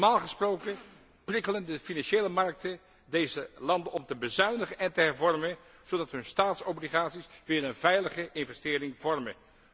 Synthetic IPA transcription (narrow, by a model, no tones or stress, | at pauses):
maːlˠχəsprowkə | prɪkələndəfinɑnʃejləmɑɹk̚tə | dejzəlɑndənɔmtəbəzœɥnəχənɛntəɦɛɹvɔɹmən | z̥odɑtɦɵnstaːtsobliχaːtsisʋɪːɹənvɛjləχəʔɪnvɛstɪːɾɪŋvɔɹmən